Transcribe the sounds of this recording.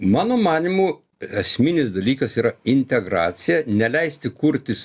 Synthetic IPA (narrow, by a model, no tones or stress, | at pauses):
mɑːnoːmɑːnʲɪmuː | ɛsʲmʲɪnʲɪsd̪ɐlʲiːkɐsiːɾɐɪnʲt̪ʲɛɡɾɑ̰ːt̪sʲɪjɛnʲɛlʲɛɪsʲt̪ʲɪkuɾʲt̪ʲɪs